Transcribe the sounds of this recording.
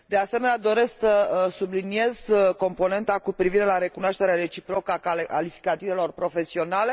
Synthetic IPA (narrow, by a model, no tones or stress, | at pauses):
d̪e̞ase̞me̞nead̪o̞ɾe̞sksəsublinie̞z̥ko̞mpo̞ne̞nt̪akupɾiviɾe̞laɾe̞kunaʃt̪e̞ɾeaɾe̞t͡ʃipɾo̞kəakaalifi̥kat̪ive̞lo̞rpɾo̞fe̞sio̞nale̞